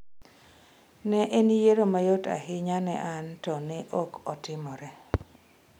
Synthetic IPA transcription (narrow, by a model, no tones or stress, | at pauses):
nɛʔenijeɾomajota̰hɪɲanɛ̰ʔantɔnɛʔɔkɔtɪmɔɾɛ